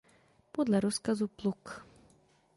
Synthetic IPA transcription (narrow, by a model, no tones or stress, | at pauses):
pɔd̪lˠaɾuskazuplˠuk